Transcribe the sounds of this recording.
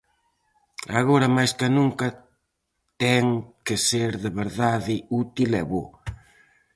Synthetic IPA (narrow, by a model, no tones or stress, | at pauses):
a̰ɣoɾɐmajskanũŋkɐ | t̪ɛŋkeseɾðeβeɾðaðɪut̪ilɛβo̰